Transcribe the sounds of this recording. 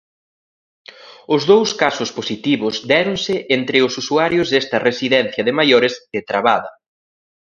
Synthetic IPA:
ʊzðowskasʊsposit̪iβʊzd̪ɛɾʊnsɪʔent̪ɾɪʊsusuaɾjʊzðɛst̪ɐresiðɛn̟θjɐðɪmajoɾɪzd̪ɪt̪ɾaβaðɐ

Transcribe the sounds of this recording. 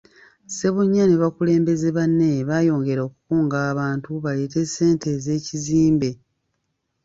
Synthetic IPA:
se̞βuɲːaneβakule̞ːmbe̞ze̞βanːe̞βaːjo̞ːŋɡe̞ɾokukuːŋɡaːβaːntuβaleːte̞sːe̞ːntʰe̞ːze̞ːciziːmbe̞

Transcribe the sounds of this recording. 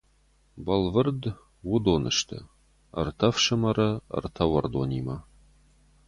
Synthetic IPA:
bɐlvɨrd̪ | wʊd̪onʔɨ̰ʃt̪ʰɨ̰ | ə̰rt̪ʰɐfʃɨmɐɾɐə̰rt̪ʰɐwɐrd̪onʲimɐ

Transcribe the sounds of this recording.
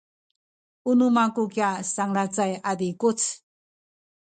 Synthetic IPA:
unumakukiasaŋɾat͡sajadikut͡s

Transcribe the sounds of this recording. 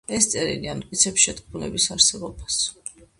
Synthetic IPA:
ɛst̪sʼɛɾḭliamt̪ʼkʼit̪sʰɛpsʃɛt̪ʰkʰbunɛ̰bisaɾsɛbɔbas

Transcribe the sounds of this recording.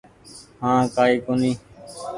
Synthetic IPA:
hãːkaːiːkoːniː

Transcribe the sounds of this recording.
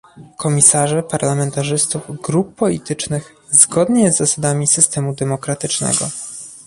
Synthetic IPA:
kʰɔmʲisaʐɛpaɾlamɛnt̪aʐɘst̪ufɡɾupːɔlʲit̪ɘt͡ʂnɘx | zɡɔd̪ɲɛzːasad̪amʲisɘst̪ɛmud̪ɛmɔkɾat̪ɘt͡ʂnɛ̰ɡɔ

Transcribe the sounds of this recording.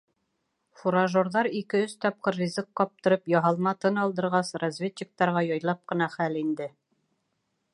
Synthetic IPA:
fuɾaʒoɾðɑɾikɘɵst̪ɒp̚qɤɾːʲizɤk̚qɑp̚t̪ɤ̆ɾɤpjɑɦɑlˠmɑt̪ɤnɑlˠd̪ɤ̆ɾʁɑsrazvʲetːɪk̚t̪ɑɾʁɑjɑjlˠɑp̚qɤ̆nɑχælind̪ɘ

